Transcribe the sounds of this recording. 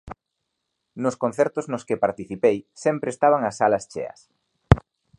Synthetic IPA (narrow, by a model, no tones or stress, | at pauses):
nʊskõnθɛɾt̪ʊznʊskɪpaɾt̪iθipejsɛmpɾeːst̪aβaŋɐsːalɐst͡ʃḛɐ̰s